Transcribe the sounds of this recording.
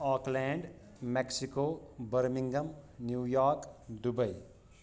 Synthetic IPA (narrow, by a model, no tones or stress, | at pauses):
ɔːklɛ̃ːɳɖ | meksikoːbəɾmĩŋɡəmnjuːjɔːɾkd̪ubəi